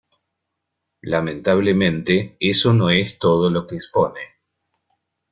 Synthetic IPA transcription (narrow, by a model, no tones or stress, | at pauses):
lamẽ̞nt̪aβ̞lemẽnt̪eesono̞est̪oð̞olo̞keːkspo̞ne